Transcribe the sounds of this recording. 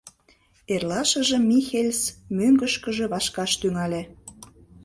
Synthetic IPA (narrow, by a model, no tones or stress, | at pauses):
erlɑʃə̆ʒə̆mʲixelʲsmøŋɡəʃkə̆ʒĕβɑʃkɑʃt̪yŋɑlʲe